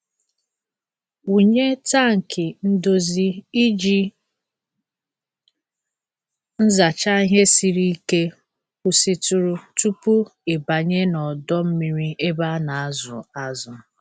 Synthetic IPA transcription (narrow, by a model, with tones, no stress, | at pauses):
u˨ɲe˦ta˦˨ŋ̩˨kɪ˨n̩˦do˦zi˦i˦d͡ʒi˦ | n̩˦za˨t͡ʃa˦ɦe˦si˨ɾi˦ke˦ | ku˨si˦tu˨ɾu˦tu˦pu˦ɪ˨ba˨ɲe˦nɔ˨dɔ˦m̩˦mi˨ɾi˦e˦ba˦na˨a˦zʊ̰˨a˦zʊ˨